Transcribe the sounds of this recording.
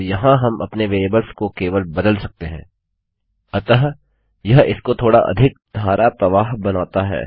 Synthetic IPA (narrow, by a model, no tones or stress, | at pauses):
jɐɦãɦɐmʔɐ̰pneʋeːbəlskokeːʋəlbɐd̪əlsɐk̚t̪eɦɛ̰̃ː | ɐt̪əɦ | jɐɦɪskot̪ʰoːɽaʔɐ̰d̪ʱɪk̚d̪ʱaːɾʔapɾɐʋaːɦbɐnaːt̪aɦɛ̰ː